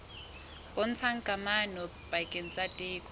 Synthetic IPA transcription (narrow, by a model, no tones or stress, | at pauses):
kʼʊn̩t͡sʰaŋ̩kʼamanɔ | pakʼɪn̩t͡sʼatʼɪːkʰʼɔ